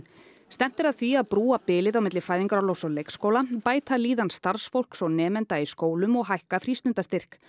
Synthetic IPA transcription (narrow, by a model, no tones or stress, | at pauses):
st̪ɛm̥t̪ɪɾaðθviaðpɾuːapɪːlɪðawmɪt̪lɪfaːjðiŋkaɾawlowsɔlejkskowlapaːjt̪ʰaliːðanst̪aɾ̥sfowl̥ksɔnɛːmɛnt̪aiskoːwlʏmɔɣɦajhkafɾist̪ʏnt̪ast̪ɪr̥k